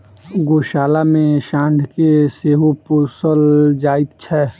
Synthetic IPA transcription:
ɡoːʃaːlamẽʃãːɳɖʱkeseːɦopusəld͡ʒaːɪt̪t͡ʃʰɛː

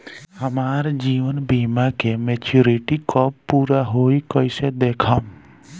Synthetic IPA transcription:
həmaːɾd͡ʒiːʋənbimakemeːt͡ʃuɾiʈikɔuːɾaɦoikɔised̪eːkʰam

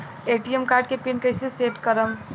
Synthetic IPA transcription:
eʈiemkaɾɖ̚kepinkəjseseʈkəɾəm

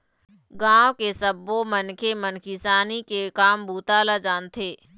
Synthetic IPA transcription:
ɡãːwkesəbomənkʰemənkʰisaːnikekaːmbʱuːt̪aːlad͡ʒaːnt̪ʰeː

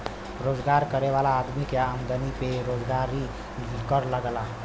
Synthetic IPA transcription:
ɾod͡zɡaɾkəɾeʋalaːd̪mikjaːmd̪ənipeɾod͡zɡaɾi | kəɾləɡla

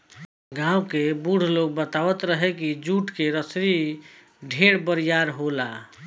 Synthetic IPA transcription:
ɡãukebuɽ̤ʱloɡ̚bət̪aʋət̪ɾəɦekid͡ʒuʈkeɾəsɾi | ɖʱeɽbəɾijaɾɦola

